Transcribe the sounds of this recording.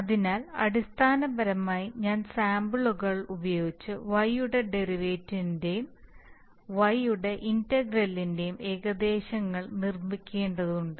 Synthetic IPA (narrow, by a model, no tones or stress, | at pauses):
ɐðinaːlɐ̰ɽist̪ʰaːnɐbɐɾɐmaːjiɲaːnsaːmbɨɭuɣɐɭubɐjo̞ːɡit͡ɕːɨʋɐjuɽe̞ɖe̞riʋeːtːindejum | ʋɐjuɽe̞ʔintɐɡrɐlːinde̞jume̞ːɣɐd̪e̞ːɕɐŋːɐɭnirmikʲːe̞ːɳɖɐðuɳɖɨ